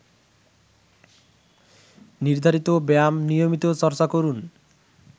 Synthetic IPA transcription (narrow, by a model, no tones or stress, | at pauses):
niɾd̪ʱaɾit̪obamnijomit̪ot͡ɕɔɾt͡ɕakoɾun